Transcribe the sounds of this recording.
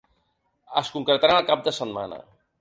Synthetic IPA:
əskuŋkɾət̪aɾanəlˠkap̚d̪əsət̪manə̰

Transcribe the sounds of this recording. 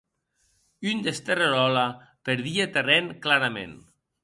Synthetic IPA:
ynd̪est̪ereɾɔla | peɾðiat̪ereŋklaɾamḛn

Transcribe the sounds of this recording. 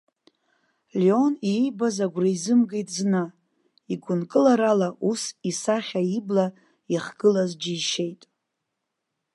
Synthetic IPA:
lio̞nijbazaɡʷraizɨmɡejtʼzna | iɡʷʊnkʼɨlaɾalaʔusisaχʲaibla | iχɡ̥ɨlazd͡ʒiiʃejtʼ

